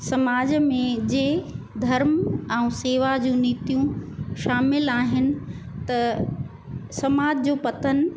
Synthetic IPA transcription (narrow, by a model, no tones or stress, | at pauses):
sɐmaːd͡ʑmẽd͡ʑeː | d̪ʱɐɾmɛ̃ũseːʋad͡ʑũːniːt̪jũʃaːmɪlaːɦɪnɪ̆ | t̪ɐ | sɐmaːd͡ʑd͡ʑoːpɐt̪ən̆